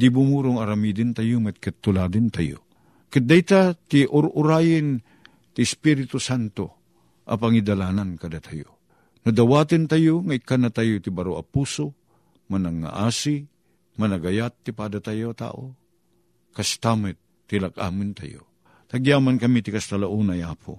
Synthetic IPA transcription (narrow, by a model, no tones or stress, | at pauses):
d̪ibumuɾʊŋɐɾamid̪ɪnt̪ajumɛt̪̚kɪt̪ːʊlad̪ɪnt̪ajo̰ | kɪt̪̚d̪ajt̪at̪iʔʊɾʔʊɾaːjɪn | t̪ɪːspiɾɪt̪usant̪o̰ | ʔɐ̰paŋid̪alaːnankad̪at̪ʰajo̰ | nad̪awaːt̪ɪnt̪ajoŋaikanat̪ajot̪ɪbaɾoa̰puːso | manaŋːa̰ʔaːsi | manaɡajat̪ːipad̪at̪ajot̪a̰ːʔo | kast̪amɛt̪ːɪlakʔa̰ːmɨnt̪a̰jo̰ | t̪aɡijaːmankɐmit̪ɪkast̪alaʔuːnajaːpʰʊ̰